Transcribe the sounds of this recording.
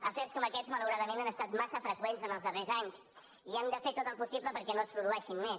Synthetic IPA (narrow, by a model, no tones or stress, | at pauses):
əfeɾskɔməkɛzmələwɾaðəmenanəst̪at̪masəfɾəkwenzənəlˠzðərezaɲs | iand̪əfet̪ot̪əlˠpusipləpəɾkɛnoəspɾuðuɛʃinmes